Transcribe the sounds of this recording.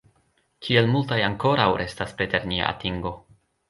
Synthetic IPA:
kʰie̞lmultajaŋko̞ɾawɾʔe̞staspɾe̞te̞ɾnia̰ʔa̰tiŋɡo̞

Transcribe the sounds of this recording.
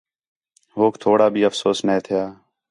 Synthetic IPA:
ɦoːkt̪ʰoːɽaːbʱiːəfsoːsnẽːt̪ʰɪjaː

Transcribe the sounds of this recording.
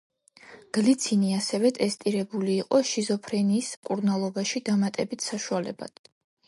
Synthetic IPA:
ɡ̥lit̪sʰiniasɛvɛt̪ʼɛst̪ʼiɾɛbuliːqʼɔʃizɔpʰɾɛniːsmkʼuɾnalˠɔbaʃid̪amat̪ʼɛbit̪ʰsaʃualɛba̰d̪̥

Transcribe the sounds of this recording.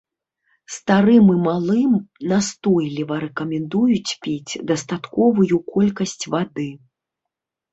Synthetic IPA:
st̪aɾɨmɨmalˠɨmnast̪ɔjlʲivɐɾɛkɐmʲɛnd̪ujut͡sʲpʲet͡sʲd̪ɐst̪at̪kɔvujukɔlʲkɐsʲt͡sʲvad̪ɨ

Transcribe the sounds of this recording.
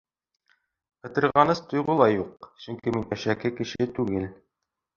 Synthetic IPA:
ɤ̆t̪ɤ̆ɾʁɑnɤst̪ŏjʁulˠɑjuq̚sɵŋkiminæʃækɘkɘ̆ʃɘt̪ʉɡɘl

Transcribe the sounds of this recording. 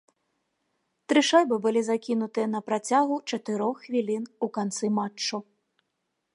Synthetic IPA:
t̪ɾɪʃajbɨbʊlʲizakʲinʊt̪ɨnɐpɾɐt͡sʲaɣʊt͡ʃɐt̪ɪɾɔxxʋʲilʲinukɐnt̪sɪmat͡ʃːʊ

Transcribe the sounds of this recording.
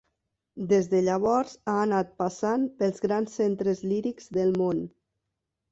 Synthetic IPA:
d̪ezðəʎəβ̞ɔɾzaənat̪̚pasanpəlˠzɣɾansːent̪ɾəzliɾikzðəlˠmon

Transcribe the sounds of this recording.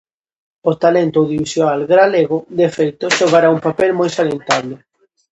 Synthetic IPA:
ot̪alent̪oðiβisjoalɣɾaleɣʊd̪efejt̪oʃoɣaɾaumpapelmojsalent̪aβlɪ

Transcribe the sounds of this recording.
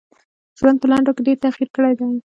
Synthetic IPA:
ʒwand̪̚pəlɑɳɖokeɖeɾt̪axiɾkəɽajd̪a

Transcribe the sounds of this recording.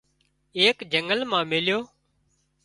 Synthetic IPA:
eːkd͡ʒəŋɡəlmãːmɪljoː

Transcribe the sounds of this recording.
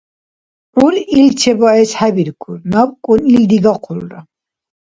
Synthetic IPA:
pʼɾuɾilt͡ʃʰɛbaɛshabiɾkʰuɾnabkʼunild̪iɡaqʰuɾɾa̰

